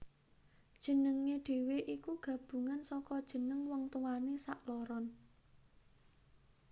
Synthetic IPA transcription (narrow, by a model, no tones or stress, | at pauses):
d̥ʒ̥ə̤nəŋːeɖ̥e̤weʔikuɡ̥ä̤b̥ṳŋansɔkɔd̥ʒ̥ə̤nəŋwɔŋt̪uwanesaʔlɔɾɔn